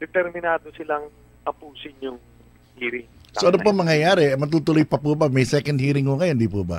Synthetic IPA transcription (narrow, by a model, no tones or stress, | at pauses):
d̪̥ɛt̪ɛɾmɪnaːd̪osɪlaŋ | ɐpuːsɪnjʊŋ | hiːɾɪŋ | soʔɐnopɐŋmɐŋjɐjaːɾɛmɐt̪̬uːt̪ʊlojpɐpubɐmɐjsɛkɐnd̪hiːɾɪŋhʊŋɐjond̪ipubɐ̰